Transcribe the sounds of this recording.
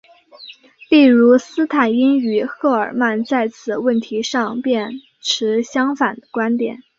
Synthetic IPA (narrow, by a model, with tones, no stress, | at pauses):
li˥˩ɻu˧˥sɹ̩˥t̪ʰa˨˩ni˥ny˨˩xɤ˥˩ə̰˞˨˩ma˥˧nt͡sa˥˩ɪt͡sʰɹ̩˨˩wə˥˩nt̪ʰi˧˥ʂɑ˥˧ŋpjɛ˥˩n | ʈ͡ʂʰɻ̩˧˥ɕjɑ˥ŋfa˨˩nd̪ə˦kwa˥nt̪jɛ̰˨˩˦n